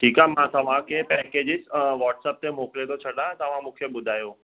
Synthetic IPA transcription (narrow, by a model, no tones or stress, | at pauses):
ʈʰikamãt̪ʰaʋãkepɛked͡ʒɪsʋɔʈsəp̚t̪emoklet̪ot͡ʃʰəɽãt̪əʋãmʊkʰjəbʊd̪ʱajo